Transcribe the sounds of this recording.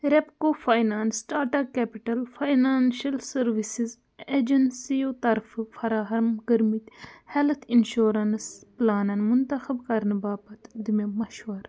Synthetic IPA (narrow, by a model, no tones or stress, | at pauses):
ɾepkoːfʰaːjnaːnsʈaːʈɐkːepiʈɐlfʰajnaːnʃɐlsɐɾʋisiz | eːd͡ʒɐnsijoːt̪ɐɾffʰɐɾaːɦɐmɡɐɾmit̪ʲhɛlt̪ʰinʃoːɾɐnsplaːnɐnmunt̪ɐxɐbkɐɾnbaːbɐt̪d̪imemɐʃʋɐɾ